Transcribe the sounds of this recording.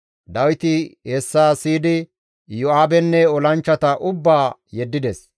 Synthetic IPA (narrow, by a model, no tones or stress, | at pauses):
d̪ɐwɪt̪ɪhɛsːaːsiːd̪ɪ | jʊaːbɛnːɛɔlɐnt͡ʃːɐt̪ɐʔʊbːaːjɛd̪ːɪd̪ɛs